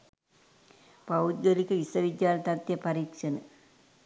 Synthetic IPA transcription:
pɐud̪̚ɡəlikəisɐʋid̪jaːlt̪at̪jɐpɐɾiːkʂənə

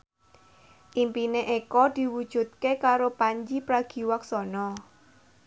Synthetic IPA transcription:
ʔimpineʔekɔd̪̥i̤wud̥ʒ̥ṳt̪̚kekaɾopaɲd͡ʒipɾaɡ̥i̤waksɔnɔ

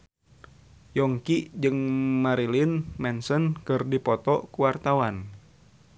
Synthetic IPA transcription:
jɔŋkid͡ʒɨŋmaɾilinmɛnsənkɨrdipɔt̪ɔkuwart̪awan

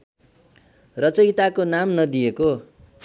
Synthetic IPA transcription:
rʌt͡sʌjt̪akonamnʌd̪ijeko

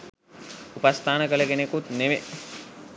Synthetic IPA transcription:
upast̪ʰaːnəkələkenekut̪neʋe

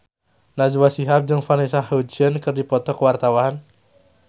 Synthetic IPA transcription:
nad͡ʒwasiɦap̚d͡ʒəŋfanisahod͡ʒiənkərdipɔt̪ɔkəwart̪awaɦan

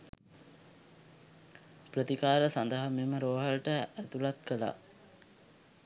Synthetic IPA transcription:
prət̪ikaːɾəsand̪əɦameməɾoːɦalʈəæt̪ulat̪kəla̰

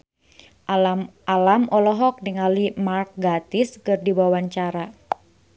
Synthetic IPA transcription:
alamɔlɔɦɔk̚diŋalimark̚ɡat̪iskɨrdiwawaɲt͡ʃaɾa

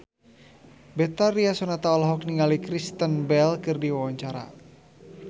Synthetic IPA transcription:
bɛt̪aɾiasɔnat̪aɔlɦɔk̚niŋalikɾist̪ənbɛlkɨrdiwawaɲt͡ʃaɾa̰

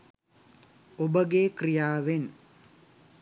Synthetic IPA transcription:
obəɡekrijaːʋen

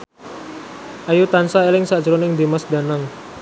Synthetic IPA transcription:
ʔajut̪ansaelɪŋsad̥ʒ̥ɾonɪŋd̪emasd̪a̤naŋ

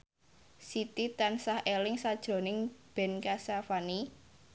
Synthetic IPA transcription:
sit̪it̪ansahʔelɪŋsad̥ʒ̥ɾo̤nɪŋb̥ɛ̤nkasafani

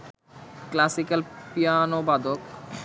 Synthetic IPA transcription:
klasikalpijanobad̪ok

